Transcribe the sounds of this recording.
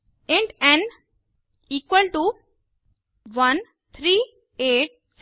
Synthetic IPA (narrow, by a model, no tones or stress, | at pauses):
ẽɳʈɛ̃n | iːkwəlʈu | ʋɐn | t̪ʰɾiː | eːʈ̚s